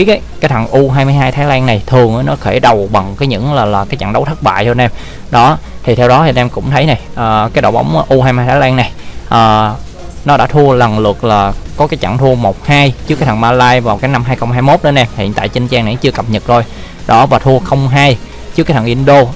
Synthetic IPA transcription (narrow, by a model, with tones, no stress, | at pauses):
i˨˦kaː˨˦kaː˨˦jt̪ʰə˨˩ŋʔu˧ɦaː˧jmɨ˧jɦaː˧jt̪ʰaː˨˦jlɛː˧ŋna˨˩jt̪ʰɨ˨˩əŋʔə˨˧˦nɔ˨˦xe˧˩ɗə˨˩wɓa˨˩ŋkaː˨˦jɲɨ̰˧˥ŋlaː˨˩laː˨˩kaː˨˦jt͡ɕa̰˧˨ŋɗə˨˦wt̪ʰə˦˥t̚ɓa̰ː˧˨jt͡ɕnʔɛ˧m | ɗɔ˨˦t̪ʰi˨˩t̪ʰɛ˧wɗɔ˨˦t̪ʰi˨˩˨nʔɛ˧mkʊ̰˧˥ŋ͡mt̪ʰə˨˦jna˨˩jʔəː˨˩kaː˨˦jɗo̰˧˨ɓa̰˨˦wŋ͡mʔu˧haː˧jmaː˧jt̪ʰaː˨˦lɛː˧ŋna˨˩jʔəː˨˩ | nɔ˨˦ɗa̰ː˧˥t̪ʰu˧ələ˨˩ŋlɨ˨˩ək̚laː˨˩kɔ˨˦kaː˨˦jt͡ɕa̰˧˩ŋt̪ʰu˧əmo˨˩t̚haː˧jt͡ɕɨ˦˥kaː˦t̪ʰa˨˩ŋmaː˧laː˧jvaː˨˩wkaː˨˦jna˧mɦaː˧jxə˧wŋ͡mɦaː˧jmo˦˥t̚ɗə˧nʔɛ˧mhḭ˧˨ənt̪a̰ː˧˨jt͡ɕï˧ŋt͡ɕaː˧ŋna̰˧˨˩t͡ɕɨ˧əkə˨˩p̚ɲə˨˩t̚zo˧˩j | ɗɔ˨˦vaː˨˩t̪ʰu˧əxə˧wŋ͡mɦaː˧j | t͡ɕɨ˦˥kaː˦tʰa˨˩ŋʔi˧nɗo˧